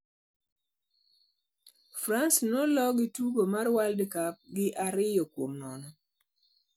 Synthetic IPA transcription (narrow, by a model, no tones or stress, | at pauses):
fɾansnɔlɔɡɪtuɡomarwaldkap̚ɡɪʔaɾɪjɔkwomnɔnɔ